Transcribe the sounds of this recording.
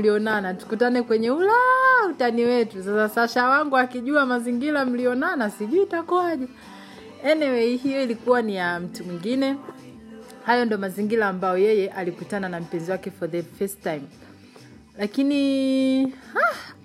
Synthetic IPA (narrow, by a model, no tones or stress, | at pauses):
m̩liɔnanatu̥kutanɛkwɛɲɛulautaniwɛtusasasaʃawaŋɡuakiʄuamaziŋɡilam̩liɔnanasiʄuitakuaʄa | ɛnɛwɛihijɔilikuwanijam̩tumwiŋɡinɛ | hajɔndɔmaziŋɡilaːmbajɔjɛjɛʔalikutananam̩pɛnziwakɛfɔðɛfɛstajm | lakini | ha